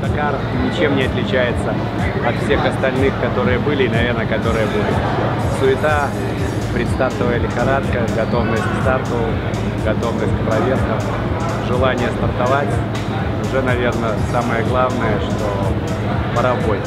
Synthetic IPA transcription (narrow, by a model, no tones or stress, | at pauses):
t̪ɐkar | nʲɪt͡ɕe̞mnʲɪɐt̪lʲɪt͡ɕæjɪt̪sə | ɐt̪fsʲe̞xɐst̪ɐlʲnɨxkɐt̪o̞ɾɨjəbɨlʲɪːnɐvʲe̞rnəjəkɐt̪o̞ɾɨjəbɨlʲɪ | sʊɪt̪a | pɾʲɪt̪st̪art̪əvəjɪlʲɪxɐɾat̪kəɡɐt̪o̞vnəsʲtʲkʲst̪art̪ʊ | ɡɐt̪o̞vnəsʲtʲk̚pɾɐvʲe̞rkəm | ʐɨlˠanʲɪjəst̪ərt̪ɐvatʲ | ʊʐɛnɐvʲe̞rnəsaməjəɡlˠavnəjəʂt̪o̞ | pəɾɐbotʲ